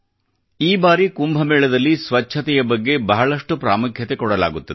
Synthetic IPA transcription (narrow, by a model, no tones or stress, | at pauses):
iːbaːɾikumbʱɐmɛːɭɐd̪ɐlːisʋɐt͡ʃʰːɐt̪ɛjɐbɐɡːe̞bɐɦɐɭɐʂʈupɾa̰ːmukʰjɐt̪e̞kɔɽɐla̰ːɡut̪ːɐd̪